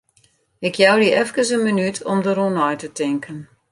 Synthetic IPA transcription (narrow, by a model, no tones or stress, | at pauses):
ɪkʰjawdiʔɛfkənsənmənytʰɔmdəɾunɔjtətɪŋkʰən